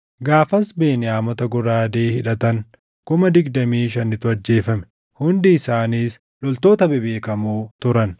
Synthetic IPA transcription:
ɡaːfɐsbe̞ːnɪaːmɔt̪ɐɡʊɾaːd̪eːhɪᶑɐt̪ɐŋ | kʊmɐd̪ɪɡd̪ɐmiːʃɐnːɪt̪ʊɐd͡ʒːe̞ːfɐmɛ̥ | hʊnd̪ɪːsaːniːs | lɔlt̪o̞ːt̪ɐbɛbeːkɐmuːt̪ʊɾɐn

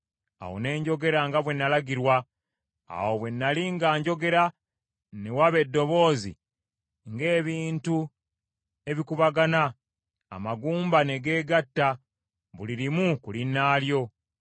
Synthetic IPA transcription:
a̰wo̰ne̞ːɲɟo̞ɡe̞ɾaŋɡaβwe̞nːalaɡiɾwa | a̰wo̞βwe̞nːaliŋɡaːɲɟo̞ɡe̞ɾa | ne̞waβe̞dːo̞βo̞ːzḭ | ŋɡe̞ːβiːntu | e̞βikuβaɡana̰ː | maɡuːmbane̞ɡe̞ːɡatːa | βuliɾimukulinːaːljo̞

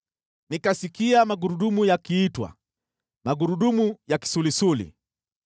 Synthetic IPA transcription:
nikasikiamaɡuɾuɗumujakiːtwa̰ | maɡuɾuɗumujaki̥sulisulḭ

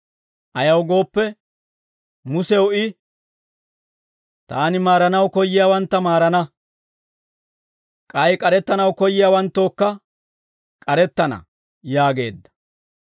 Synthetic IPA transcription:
ʔɐjɐwɡo̞ːpːɛ | mʊsɛwʊɪ | t̪aːnɪmaːɾɐnɐwkɔjːɪjaːwɐnt̪ːɐmaːɾɐnɐ | kʼɐjkʼɐɾɛt̪ːɐnɐwkɔjːɪjaːwɐnt̪ːo̞ːkːɐ | kʼɐɾɛt̪ːɐnɐ̰ | jaːɡe̞ːd̪ːɐ̥

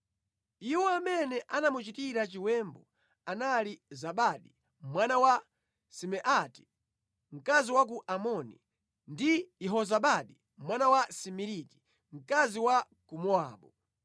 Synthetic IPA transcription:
iwɔamɛnɛʔanamut͡ʃitiɾat͡ʃiwɛmbɔ | analizaɓaɗi | mwanawa | simɛʔati̥ | ŋ̩kaziwak̬uʔamɔnḭ | ndijɛɦɔzaɓaɗi | mwanawasimiɾiki̥ | m̩kaziwa | kumɔaːɓɔ

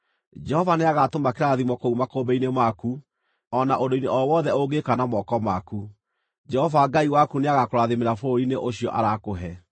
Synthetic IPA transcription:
d͡ʒɛhɔvaneaɣatomakeɾaðimɔkoumakobɛinemaku | ɔnaʔondoineʔɔwɔðɛoɡekanamɔkɔmaku | d͡ʒɛhɔvaɡaiwakuneaɣakoɾaðemeɾafoineʔoɕiɔ̰ʔaɾakoɦɛ

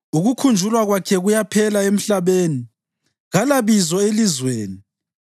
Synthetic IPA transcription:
uɣukʰund͡ʒʱulwaɣwakʰɛɣujapʰɛlaem̩ɬaβeːni | ɣalaβizɔelizweːni

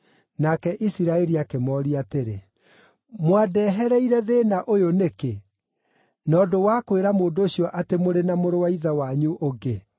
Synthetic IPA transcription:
nakɛʔisiɾaɛɾiakemɔːɾiateɾe | mwadɛːɦɛɾɛiɾɛðenaʔojoneke | nɔːdowakweɾamoːndoːɕijɔʔatemoɾenamoɾowaiðawaɲuʔoɡe

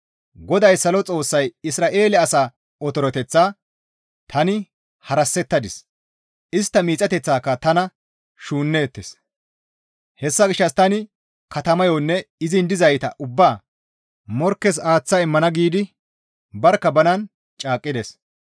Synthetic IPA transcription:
ɡɔd̪ɐjsɐlɔt͡sʼo̞ːsːɐjɪsɾaːʔe̞ːlɛɐsaː | ɔt̪ɔɾɔt̪ɛt͡sːaː | t̪ʰɐnɪ | hɐɾɐsːɛt̪ːɐd̪ɪs | ʔɪst̪ːɐmiːt͡sʼːɐt̪ɛt͡sːaːkːɐt̪ɐnɐ | ʃuːnːeːt̪ːes | hɛsːɐɡɪʃːɐst̪ɐnɪ | kɐt̪ɐmɐjɔnːɛɪzɪnd̪ɪzɐjt̪ɐʔʊbːaː | mɔɾkːɛs̬aːt͡sːaɪmːɐnɐɡiːd̪ɪ | bɐɾkːɐbɐnɐn | t͡ʃʼaːkʼːɪd̪ɛs

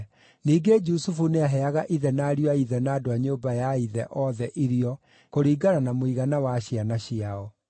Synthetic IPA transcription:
niːɡed͡ʒusufuneaɦɛaɣaʔiðɛnaːɾiwaiðɛnaːdoaɲoːbajaiðɛ̰ʔɔðɛʔiɾiɔ | koɾiːɡaɾanamoiɣanawaɕianaɕiaɔ

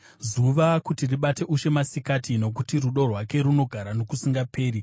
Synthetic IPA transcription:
zuʋakutiriɓate̞ʔuʃe̞masikatino̞k̬utiruɗo̞rwake̞ɾuno̞ɡʱaɾano̞kusiŋɡapʰe̞ːɾi

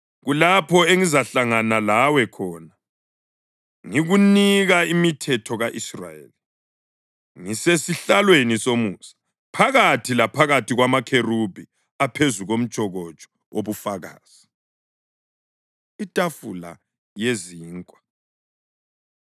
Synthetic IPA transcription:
ɣulapʰɔeŋizaɬaŋanalawɛkʰɔːna | ŋiɣuniɣaimitʰɛtʰɔɣaʔisra̰jḛli | ŋisesiɬalwenisomuːsḁ | pʰaɣatʰilapʰaɣatʰiɣwamakʰerub̥ʱi | apʰezuɣom̩t͡ʃʼɔɣɔt͡ʃʼɔ̥ | oβufaɣa̰ːz̥i | itʼafṵla̰ | jeziːŋkʼwḁ

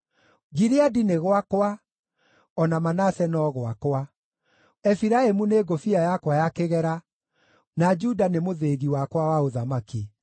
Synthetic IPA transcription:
ɡiɾeadineɣwakwa | ɔnamanasɛnɔːɣwakwa | ɛfiɾaemuneːɡofiajakwajakeɣɛɾa | nad͡ʒudanemoðeːɣiwakwawaoðamaki

